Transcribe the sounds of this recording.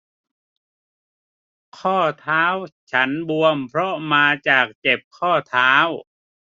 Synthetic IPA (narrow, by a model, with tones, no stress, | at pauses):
kʰɔː˥˩t̪ʰaː˦˥wt͡ɕʰa˦˥nbu˧əmpʰɾɔ˦˥maː˧t͡ɕaː˨˩k̚t͡ɕe˨˩p̚kʰɔː˥˩t̪ʰaː˦˥w